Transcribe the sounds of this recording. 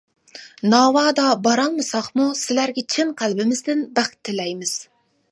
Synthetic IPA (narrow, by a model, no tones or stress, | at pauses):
nɑːwɑːd̪ɑbɑɾɑlˠmɨsɑχmusɪlæɾɡʲɛt͡ʃʰɪnqʰælbɪmɪzd̪ɪnbæχt̪ʰːɪlɛjmɪz̥